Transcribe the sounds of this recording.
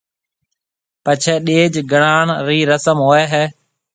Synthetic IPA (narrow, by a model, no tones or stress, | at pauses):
pət͡ʃʰeːɗeːd͡ʒɡəɽaːɳɾiːɾəsəmɦoːeːɦɛː